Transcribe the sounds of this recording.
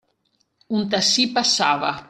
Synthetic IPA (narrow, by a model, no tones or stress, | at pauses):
unt̪̬asipasava̰